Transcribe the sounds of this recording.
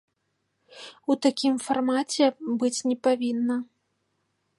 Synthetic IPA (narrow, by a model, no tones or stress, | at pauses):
ut̪akʲimfarmat͡sʲɛbɨt͡sʲnʲɛpavʲinːɐ